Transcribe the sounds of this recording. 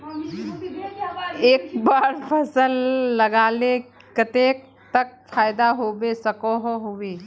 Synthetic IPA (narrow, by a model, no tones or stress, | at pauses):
eːkbaːɾpʰɐsəlːɐɡaːle | kɐt̪eːk̚ | t̪ək̚fʰaːjd̪aɦoːbesɐkoɦoɦoweː